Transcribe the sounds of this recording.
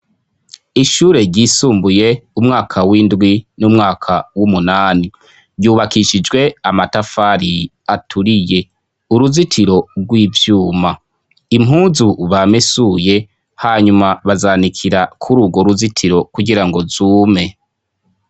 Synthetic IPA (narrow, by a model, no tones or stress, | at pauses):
iʃuːɾe̞ɾɟiːsuːmbuje̞umŋaːkʰawindɡwinumŋaːkʰawumunaːni | ɾɟuːβakiʃid͡ʒɡwe̞amatafaːɾi | atʰuɾije̞ | uɾuzitʰiɾo̞ɾɡwiːvjuːma | im̥ɦuːzuβamesuje̞ | haɲumaβazaːnikʰiɾakʰuɾuːɡoɾuzitʰiɾo̞kuɡiɾaŋɡo̞zuːme̞